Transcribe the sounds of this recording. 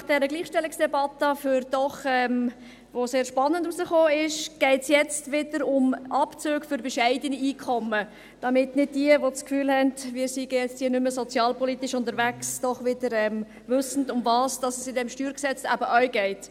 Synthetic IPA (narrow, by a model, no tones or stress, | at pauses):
nɑχd̥ɛɾəɡliːχʃtɛlːɪksd̥ɛbɑtəfyɾd̥ɔχɛm | ʋoseːɾʃpɑnːəndusəχoːɪʃɡ̥ɛɪtsjɛt͡stʋɪdəɾʊmʔɑpt͡søːɡfʏɾbɛʃɛɪdəniiːkʰɔmə | d̥ɑmɪtnɪd̚diəʋot͡skfyːlhɛndvɪːɾsiɡ̥əjɛt͡sthiːənʏməsɔt͡sjɑːlpʰɔlit̪ɪʃʊndəɾvæksd̥ɔχʋɪd̥əɾɛm | vʏsən̩dʊmvɑːsd̥ɑsəsɪdɛmʃtyːɾksɛt͡sæ̰bəʔœʏɡɛɪt